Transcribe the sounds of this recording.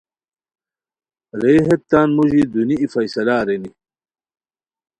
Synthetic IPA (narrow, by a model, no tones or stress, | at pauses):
ɾeːɦet̪ːaːnmuʑid̪uniifɐjsɐlaːɾeni